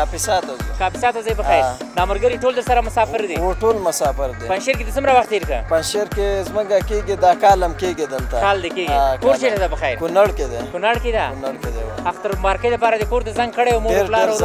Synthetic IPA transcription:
afɪsaːt̪azekɑfɪ̥sɑt̪azajbəxajɾ | nɑməɾɡəɾeʈold̪əɾsaɾamʊsɑfɪɾd̪eoʈolmʊsaːfɪɾd̪epanʃeɾked̪ət͡sʊmɾawaxt̪ːeɾkə̰panʃeɾkezməɡakeɡid̪akalamkeɡid̪əlt̪akald̪ekeɡikoɾt͡ʃeʈ̪ad̪apəxajɾkunaɽked̪ekʊnaɽked̪anaɽked̪eaxt̪əɾmɑɾkəjd̪əpɑɾad̪əkoɾt̪azaŋɡ̚kəɽejawmoeplɑɾa

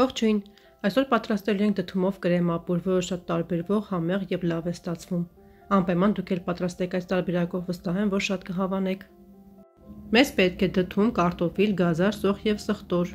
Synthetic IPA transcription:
vɔχt͡ʃʰujn | ɑjsɔɾpɑt̪ɾɑst̪ɛluɛŋkʰd̪ət̪ʰumɔvkəɾɛmɑpuɾvɔɾəʃɑt̪ːɑɾbɛɾvɔʁhɑmɛʁjɛvlɑvɛst̪ɑt͡sʰvum | ɑmpɑjmɑnd̪ukʰɛlpɑt̪ɾɑst̪ɛkʰɑjst̪ɑɾbɛɾɑkɔvːəst̪ɑɦɛmvɔɾʃɑt̪kəɦɑvɑnɛkʰ | mɛzpɛt̪̚kʰɛd̪ət̪ʰumkɑɾt̪ɔfilɡɑzɑɾsɔʁjɛvsəχt̪ɔɾ

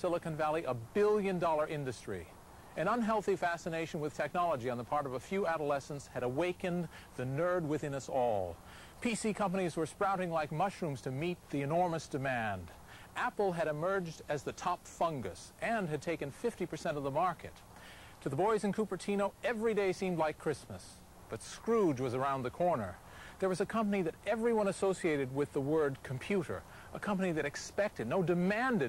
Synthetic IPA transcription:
sɪlˠəkɨ̃nvælˠiʔəbɪlˠjɨ̃ndɔlˠə˞ʔɪ̃ndɨstɹ̥ḭ | ɨ̃ñʌ̃nɦɛlˠθifæsɨneɪʃɨ̃n̩wɨð̥tʰɛk̚nɑlˠəd͡ʒiɨ̃nðəpʰɑɹɾʌvəfjʉæɾəlɛsn̩tshɨɾəweɪkɨ̃n | ðɨnɜ˞d̚wɨθɪ̃ñʌsɔlˠ | pʰisikʰʌ̃mpɨñizwə˞spɹaʊɾɪ̃ŋlaɪk̚mʌʃɹũmz̥tʰɨmit̪̚ðiɨnɔɹmɨsd̥ɨmæ̃nd | ʔæpl̩ˠɨɾɨmɜ˞d͡ʒdɨzðɨtʰɑpfʌ̃ŋɡɨ̰sʔɨ̃nɨd̚tʰeɪkɨ̃nfɪftipʰə˞sɛ̃ɾ̃ʌvðəmɑɹkɨ̰tʰ | ɨðəbɔɪzɨ̃n̩kʰupə˞tʰĩñoʊɛvɹideɪsĩmdˡlaɪkʰːɹ̥ɪsmɨs | b̥ʌtskɹud͡ʒwʌzə˞ãʊ̃nðɨkʰɔɹnə̰˞ | ðə˞wʌzɨkʰʌ̃mpəniðɨɾɛvɹiwʌ̃ñɨsoʊsieɪɾɨd̚wɪðəwɜ˞d̚kʰm̩pʰj̥ʉɾə̰˞ | ʔəkʰʌ̃mpɨniðɨɾɨkspɛk̚tɨdⁿnoʊdɨmæ̃ndɨ

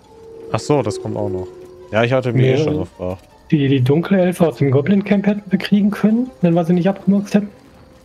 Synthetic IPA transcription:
ʔaχz̥oːdaskʰɔmta̰ʊxnɔχjaːɪçhatəmiçʔḛːʃoːnɡəfʁ̥aːxt | d̥idiːdʊŋkʰləɛlfəaʊsd̥eːmɡɔblɪŋkʰɛmphɛtn̩bəkʁ̥iːɡŋ̩kʰœnənvɛnvaːziːnɪç̬tʔap̚ɡ̥əmɪɐt͡sthɛtn̩

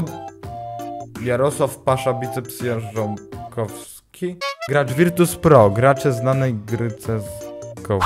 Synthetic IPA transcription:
ɔ | jaɾɔswafpaʂabʲit̪sɛpsʲjɛ̃ʐɔnkʰɔfsskʲʰiɡɾaʐvʲiɾt̪uspɾɔɡɾat͡ʂɛznanɛjɡɾɘt̪sɛzkɔ

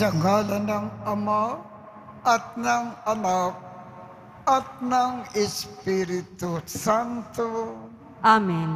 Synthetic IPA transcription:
d͡ʒɐŋɡalɐnɐŋɐma | ɐt̪̚naŋɐnap̚ | ɐt̪̚naŋɪspiɾit̪usant̪u | amin

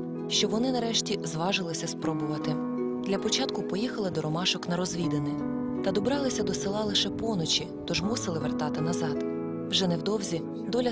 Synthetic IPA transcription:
ʃt͡ʃɔʋɔnɪnɐɾɛʃtʲizʋɑʒɪlˠɪsʲɐspɾɔbʊʋɐt̪ɪ | d̪lʲɐpɔt͡ʃɑt̪kʊpɔjixɐlˠɪd̪ɔɾɔmɑʃɔknɐɾɔzʲʋʲid̪enɪ | t̪ɐd̪ɔbɾɑlˠɪsʲɐd̪ɔsɪlˠɑlˠɪʃɛpɔnɔt͡ʃʲit̪ɔʒmusɪlˠɪʋert̪ɑt̪ɪnɐzɑd̪ | wʒɛnɛwd̪ɔwzʲi | d̪ɔlʲɐ

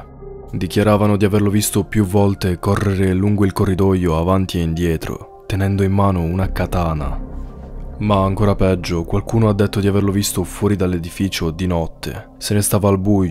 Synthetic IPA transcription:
d̪ikjaɾaːvanod̪iaverlovist̪opjuvːɔlt̪ekɔrːeɾeluŋɡoilkorːid̪ɔjːoavant̪ieind̪jɛːt̪ɾo̰ | t̪enɛnd̪oimːaːnounakat̪aːna̰ | maːŋkoːɾapɛd͡ʒːokwalkuːnoad̪ːet̪ːod̪iaverlovist̪ofwɔːɾid̪alːed̪ifiːt͡ʃod̪inɔt̪ʰːḛ | senest̪aːvaːlbuj

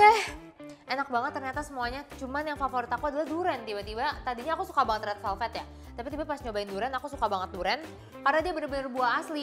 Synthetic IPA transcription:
ɛh | ʔenak̚baŋət̪ːərɲat̪asəmuaɲat͡ʃumanjaŋfafoɾit̪akuadalahduɾɛnt̪ibat̪ibat̪adiɲaːkusu̥kabaŋət̪dɾat̪sɛlfɛt̪ja | t̪apit̪ibapast͡ʃobaɪnduɾɛnakusukabaŋət̪̚duɾɛn | karnadiabənərbənərbuaasli

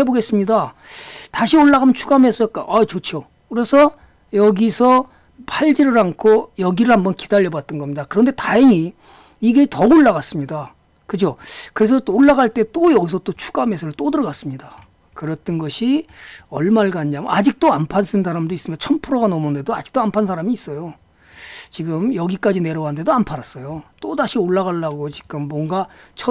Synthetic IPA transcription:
eboɡe̞s͈ɯmɲida | taɕʰioɭːaɡamjʌnt͡ɕʰuɡamesʰʌk͈aʔat͡ɕot͡ɕʰo | kɯɾe̞sʰʌ | jʌɡisʰʌ | pʰaʎd͡ʑiɾɯɾankʰojʌɡiɾɯɭhambʌnkidaʎːʌbat̚t͈ʌnɡʌmɲidakɯɾʌnde̞taeŋiː | ɡe̞tʌɡoɭːaɣas͈ɯmɲida | kɯd͡ʑokɯɾe̞s̬ʰʌtːɭːaɡaɭt͈e̞t͈ojʌɡis̬ʰʌt͈ot͡ɕʰu̥k͈ame̞sʰʌɾɯɭt͈odɯɾʌɡas͈ɯmɲida | kɯɾʌt͈ɯnɡʌɕʰiʌɭmaɭɡaɲamad͡ʑik̚t͈oampʰansʰɯnsʰaɾamdois͈ɯmjʌnt͡ɕʰʌmpʰuɾoɡanʌmonde̞doad͡ʑi̥k̚t͈oampʰansʰaɾamiːs͈ʌjo | t͡ɕiɡɯmjʌɡik͈ad͡ʑine̞ɾʌwaɦnde̞doampʰaɾas͈ʌjot͈odaɕʰioɭːaɣaɭːaɡot͡ɕi̥ɡɯmːwʌŋɡat͡ɕʰʌ

